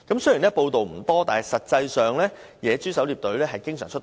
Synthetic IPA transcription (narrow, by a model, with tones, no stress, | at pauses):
kɐ˨˥msɵ˥ji˨˩nɛ˥po˧wt̪o˨wm̩˨˩t̪ɔː˥t̪aː˨nhɐ˨˩jsɐ˨t̚t͡sɐ˧jsœː˨ŋlɛː˥ | jɛː˨˧t͡syː˥sɐ˨˥wliː˨p̚t̪ɵ˨˥ɥlɛː˥ɦɐ˨jkɪ˥ŋsœː˨˩ŋt͡ʃʰɵ˥t̪